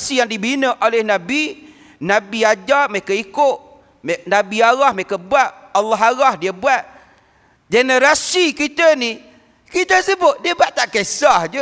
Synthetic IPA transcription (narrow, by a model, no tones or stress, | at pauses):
sijaŋdibinəʔolehnabi | nabiad͡ʒamekəikʊʔ | mnabiaɣahmekəbuaʔalːaɦaɣahdiəbuaʔ | d͡ʒenəɾasikit̪əni | kit̪əsəbʊt̪̚diəbaʔt̪aʔkesahd͡ʒə